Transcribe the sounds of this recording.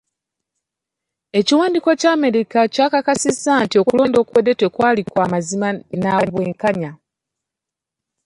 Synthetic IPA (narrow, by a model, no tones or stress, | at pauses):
e̞ciwaːndiko̞caːme̞ɾikacaːkakasizːantio̞kulo̞ːndo̞ːkuwedetwekwaːlikwaːmazimanaβweːŋkaɲa